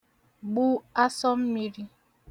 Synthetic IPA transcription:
ɡ͡bu˦a˦sɔ˦m̩˦mi˦ɾi˦

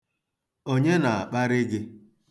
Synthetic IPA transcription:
o˦ɲe˦na˨a˨k͡pa˦ɾɪ˦ɡɪ˦

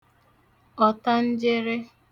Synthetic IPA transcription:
ɔ˨ta˦n̩˦d͡ʒɪ˦ɾɪ˦

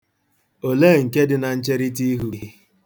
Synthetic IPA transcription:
o˨le˦˨ŋ̩˨ke˦dɪ˦na˨n̩˦t͡ʃe˦ɾi˦t̬i˦ɦu˨i˦

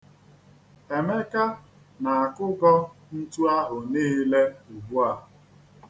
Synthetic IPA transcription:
e˨me˦ka˦ | na˨a˨kʊ˦ɡɔ˦n̩˦tu˦a˦ɦʊ˨niː˦le˦u˨bu˦a˨

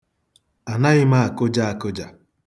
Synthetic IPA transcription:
a˨na˦ɣɪ˦ma˦a˨kʊ˦d͡ʒa˦a˨kʊ˦d͡ʒa˨

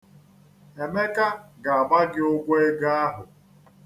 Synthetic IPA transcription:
e˨me˦ka˦ɡa˨a˨ba˦ɡɪ˦ʊ˦ɡʷe˦ɡa˦a˦ɦʊ˨

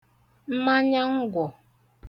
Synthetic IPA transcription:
m̩˦ma˦ɲa˦ŋ̩˦ɡʷɔ˨

